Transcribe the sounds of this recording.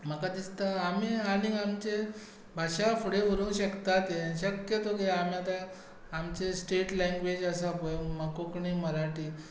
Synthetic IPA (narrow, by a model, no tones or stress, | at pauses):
m̤əkad̪ist̪aamialĩŋɡamt͡ɕe | bʱaɕafuɽeʋəɾũːnɕəkt̪at̪eɕəkjət̪oɡeam̤jat̪aː | mt͡ɕesʈeʈlẽŋɡʋed͡ʑəsapojməkokɳiməɾaʈiː